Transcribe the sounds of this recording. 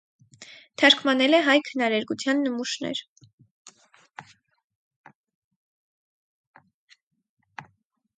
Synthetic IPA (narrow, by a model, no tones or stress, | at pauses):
t̪ʰɑɾkʰmɑnɛlɛɦɑjkʰənɑɾɛɾɡut͡sʰjɑnːəmuʃnɛ̰ɾ